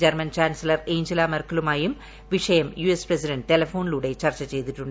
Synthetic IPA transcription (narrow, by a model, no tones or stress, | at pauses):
d͡ʑɐrmɐnt͡ɕaːnsɐlɐrejɲd͡ʑilaːmerkɐlumaːjum | ʋiʂɐjɐmjuesprɐsiɖɐɳɖʈe̞lɐfo̞ːniluɽe̞t͡ɕɐrt͡ɕːɐt͡ɕe̞jt̪iʈːuɳɖ